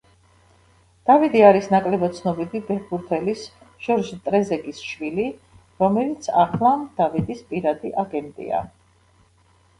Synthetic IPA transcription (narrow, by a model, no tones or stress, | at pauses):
d̪̥avid̪iaɾisnakʼlɛbɔt̪sʰnɔbid̪ibɛɾbuɾt̪ʰɛlis | ʒ̥ɔɾd͡ʒt̪ʼɾɛzɛɡisʃwili | ɾɔmɛlit̪sʰa̰χlˠamd̪̥avid̪ispʼiɾad̪iʔaɡɛnt̪ʼḭa̰